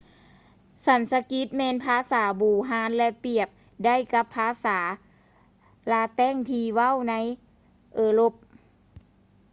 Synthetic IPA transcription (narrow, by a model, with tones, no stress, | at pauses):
sa˨˦nsa˧ki˦˥t̪̚mɛː˧npʰaː˧˥˨saː˩˦buː˨˩ɦaː˧˦˥nlɛ˧pi˨˩əp̚ | da˥˨jka˧˦˥pʰːaː˧˥saː˩˦ | laː˧t̪ɛː˥˩˨ŋt̪ʰiː˧wa˥˨wna˧˥˨j | ʔɤː˧˩lo˧˩p̚